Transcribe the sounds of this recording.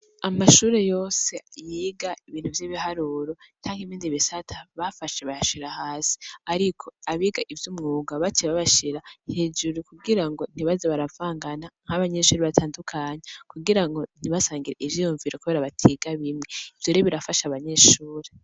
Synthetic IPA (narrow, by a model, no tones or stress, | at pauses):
amaʃuːɾe̞jo̞ːse̞jiɡaiβiːn̥huvjiβihaɾuːɾo̞t͡ʃaːŋhimiːndiβisatʰaβafaʃeβajaʃiɾahaːsi̥aɾikʰo̞aβiːɡaʔivjumŋuːɡaβat͡ʃeβaβaʃiɾahe̞ːd͡ʒuɾukuɡiɾaŋɡo̞n̥iβazeβaɾavaːŋɡanaŋ̥aβaɲe̞ʃuːɾeβataːndukʰaːɲekuɡiɾaŋɡo̞n̥iβasaːŋɡiɾeʔivjijuɱviɾokuβe̞ɾaβatʰiɡaβimŋe̞ivjoɾiβiɾafaʃaβaɲe̞ʃuːɾe